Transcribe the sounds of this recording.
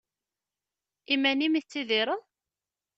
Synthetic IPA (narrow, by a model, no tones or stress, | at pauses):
imænimiθt͡sːiðiɾˤəð